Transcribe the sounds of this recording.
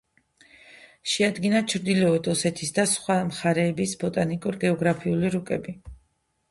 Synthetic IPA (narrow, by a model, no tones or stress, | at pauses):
ʃɛad̪ɡinat͡ʃʰɾd̪ilɔɔd̪ɔsɛt̪ʰisd̪asχwamχaɾɛːbisbɔt̪ʼanikʼuɾɡɛɔɡɾapʰiuliɾukʼɛbi